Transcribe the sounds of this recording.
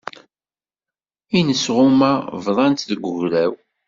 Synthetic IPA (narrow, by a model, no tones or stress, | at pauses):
inəsʁʊmævðˤɑnt̪ðəɡʷəʝɾæw